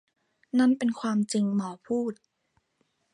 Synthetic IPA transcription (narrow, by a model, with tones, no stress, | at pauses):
na˥˨npe˧nkʰwaː˧mt͡ɕi˧ŋmɔː˩˦pʰuː˥˩t̪̚